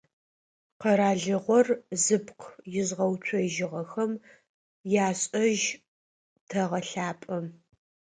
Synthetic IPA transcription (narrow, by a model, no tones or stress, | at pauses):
qɐɾaːɮɨʁʷɔrzɨpqʰjɪzʁɐwt͡ɕʷʰɔʒɪʁɐxɐm | jaːɕʼɐʒ | tʰɐʁɐɬaːpʼɐm